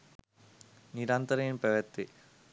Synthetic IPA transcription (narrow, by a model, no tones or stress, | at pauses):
niɾaːnt̪ɐɾɐjimpɐʋɐt̪ːi